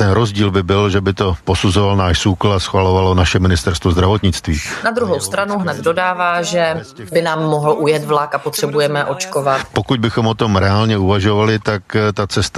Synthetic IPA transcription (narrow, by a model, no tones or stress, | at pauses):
t̪ɛnɾozɟiːlbɪbɪlʒɛbɪt̪o̞po̞suzovalnaːʃsukl̩asxvalo̞valo̞naʃɛmɪnɪst̪ɛɾst̪vozd̪ɾavo̞t̪ɲɪt͡st̪viːnad̪ɾuɦo̞wst̪ɾanuɦnɛd̪do̞daːvaːʒɛbɪnaːmːoɦl̩ʔujɛt̪vlakapot̪r̥ɛbujɛmɛʔot͡ʃkovat̪po̞kuɟ̚bɪxomot̪o̞mɾɛalɲɛuvaʒo̞valɪt̪akt̪at͡sɛst̪